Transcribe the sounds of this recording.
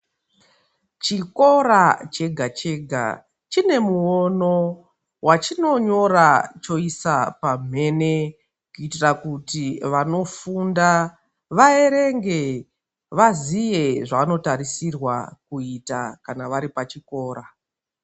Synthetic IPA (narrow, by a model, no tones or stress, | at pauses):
t͡ʃiko̞ɾat͡ʃe̞ɡʱat͡ʃe̞ɡʱa̰ | t͡ʃine̞muono̞ | wat͡ʃino̞ɲo̞ɾat͡ʃo̞isapam̤e̞ne̞ | kuitirakutiʋano̞funda | ʋae̞ɾe̞ŋɡe̞ | ʋazije̞ʐaːno̞taɾisirwa̰kuitakanaʋaɾipat͡ʃiko̞ːɾa